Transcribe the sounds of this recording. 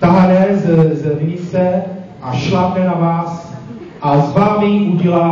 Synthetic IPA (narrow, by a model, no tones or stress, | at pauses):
t̪aɦanɛzɛzɛvɲɪt͡sɛʔaʃlapnɛnavaːs | ʔazvaːmiʔuɟɛlaː